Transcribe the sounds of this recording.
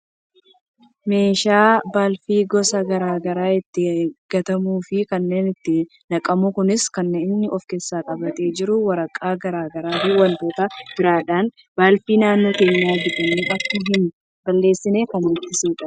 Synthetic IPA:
me̞ːʃaːbaːlfiːɡɔsɐɡɐɾaːɡɐɾaːɪt̪ːɪɡ̥ɐt̪ɐmuːfɪkɐnːe̞ːnɪt̪ːɪ | nɐkʼɐmʊkʊnɪskɐnːeːɪnːɪʔɔfke̞ːsːaːkʼɐbɐt̪ʼe̞ːd͡ʒɪɾʊwɐɾɐkʼːaːɡɐɾaːɡɐɾaːfɪwɐnt̪o̞ːt̪ɐb̥ɪɾaːᶑaːn | baːlfiːnaːnːoːkeːɲːaːd͡ʒɪᶑ̪ɐmiːʔɐkːɐɦɪn | bɐlːe̞ːsːɪne̞ːkɐnʊt̪ːɪsuːᶑɐ

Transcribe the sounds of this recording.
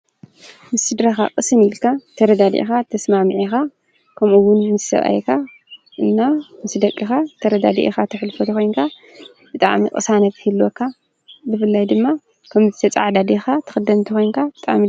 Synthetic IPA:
mɨsɨd̪ɾaxa̰qʼɨsɨnilkʰat̪ʰɐɾɐd̪ad̪ḭʔxat̪ʰɐsmamɨʕixa | kʰɐmuwʊnɨnzʰɨ̥sɐ̰βa̰jkʰa | ʔɨnːamɨsd̪ɐkʼːixat̪ʰɐɾɐd̪ad̪ḭʔḭxat̪ʰɨħlɨfot̪ʰɨxo̞jŋkʰa | bɨt̪ʼa̰ʕmikʼɨ̰sanɐt̪ʰɨhilːokʰːa | bɨfɨlːajd̪ɨmːa | kʰɐmzɨt̪ʰɐt͡sʼa̰ʕd̪ad̪exat̪ʰɨ̥xɨd̪ɐmt̪ʰɨxʰo̞jnkʰabɨt̪ʼa̰ʕmi

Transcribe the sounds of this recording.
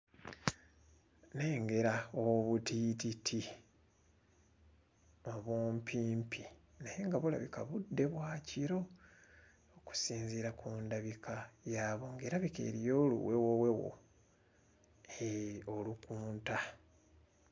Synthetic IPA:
ne̞ːŋɡe̞ɾaoβutiːtitʰi | oβuːmpʰiːmpʰi | najeŋɡaβula̰βikaβudːe̞βwaːciɾo̞ː | ku̥siːnziɾakʰuːndaβikʰajaːβo̞ŋɡeːɾaβike̞̰ːɾijo̞ːlṵwe̞wowe̞wo̞̰ | eo̞lukuːnta

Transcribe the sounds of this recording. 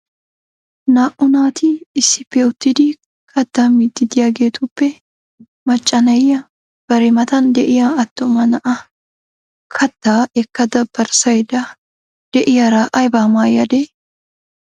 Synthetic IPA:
naːʔʊnaːt̪ʰiɪsɪpːɛʊt̪ːɪd̪iː | kʰɐt̪ːaːmit̪ːɪd̪ɪjɐɡeːt̪ʊpːɛ | mɐt͡ʃʼːɐnɐjːɐ | b̥ɐɾɛmɐt̪ɐnd̪ɛʔɪjaɐt̪ːʊmɐnɐʔɐ | kʰɐt̪ːaːɛkːɐd̪ɐbːɐɾsɐjd̪ɐ | d̪̥ɛʔɪjɐɾaːʔɐjbaːmaːjɐd̪eː

